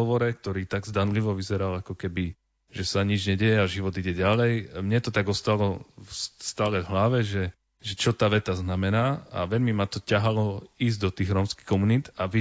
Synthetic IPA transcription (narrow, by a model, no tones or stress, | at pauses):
ɔʋɔɾɛk̚t̪ɔɾiːt̪aɡzd̪anliʋɔʋizɛɾalakɔkɛbi | ʒɛsaɲid͡ʒɲɛɟɛjɛaʒiʋɔd̪iɟɛɟalɛjmɲɛt̪ɔt̪aɡɔst̪alɔsst̪aːlɛvɦlaʋɛʒɛ | ʒɛt͡ʃɔt̪aːʋɛt̪aznamɛnaːa̰ʋɛʎmimat̪ɔcaɦalɔiːzd̪ɔt̪iːɣɾɔːmski̥xkɔmunit̪aʋi